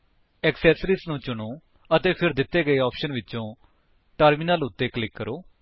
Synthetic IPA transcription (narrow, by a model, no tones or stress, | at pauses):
ɛːksɛːsɾiːsnũːt͡ʃʊɳoː | ət̪eːpʰɪɾd̪ɪt̪ːeːɡəeːɔːpʰʃənʋɪʃõː | ʈəɾmiːnəlʊt̪ːeːklɪkːəɾoː